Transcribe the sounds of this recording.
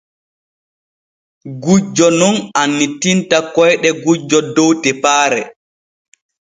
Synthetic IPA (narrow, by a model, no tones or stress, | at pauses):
ɡud͡ʒɔnɔnanːitintakɔjɗɛɡud͡ʒɔdowtɛpaːɾɛ